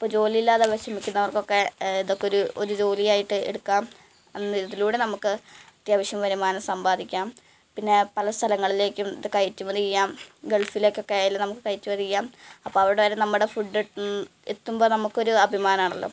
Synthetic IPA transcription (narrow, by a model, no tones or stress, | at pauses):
ɐpːoːd͡ʑo̞ːlijilːaːðeɐʋɐɕɐmikʲːunːɐʋɐrkːo̞kːe̞iðo̞kːeoɾuoɾud͡ʑo̞ːlijaːjiʈːɨḛɽukːaːm | enːɨiðiluːɽe̞nɐmukːɨt̪rijɐʋɐɕjɐmɐʋɐɾumaːnɐsɐmbaːd̪ikʲːaːm | pinːe̞pɐlɐst̪ʰɐlɐŋːɐɭile̞ːkʲːumðɨkɐjtːumɐnijijːaːmɡe̞ɭfile̞ːkʲːo̞kːe̞aːjalnɐmukːɨkɐjtːuʋɐðiijːaːmɐpːo̞ːɐʋiuɽeʋɐɾenɐmːuɽe̞fuɖːeʈːun | et̪ːumbo̞ːnɐmukːo̞ɾuɐbʱimaːnaːɳɐlːo̞̰ː